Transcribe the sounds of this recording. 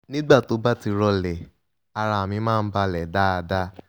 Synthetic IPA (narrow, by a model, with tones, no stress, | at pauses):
nĩ˦ɡ͡ba˦˨to˨˦ba˦ti˧ɾɔ˧lɛ˨ | a˧ɾa˧a˨mĩ˧˦mãː˦˧n̩˦ba˧lɛ˨da˦a˧da˦